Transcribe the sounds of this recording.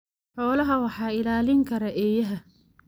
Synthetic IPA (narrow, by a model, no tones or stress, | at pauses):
ħɔːlɐɦɐwɑħɑːɪlaːlɪŋkʰɐɾɐʔɛːjɐɦɐ